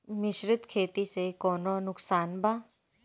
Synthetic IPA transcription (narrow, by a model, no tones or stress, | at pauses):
mɪʃɾɪt̪kʰeːt̪isekɔːnonʊksaːnbʱaː